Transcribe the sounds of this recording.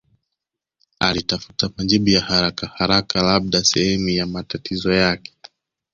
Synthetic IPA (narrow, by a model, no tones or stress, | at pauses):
alitafu̥tamaʄiɓujahaɾakahaɾakalaɓ̚ɗasɛhɛmujamatatʰizɔjakɛ̥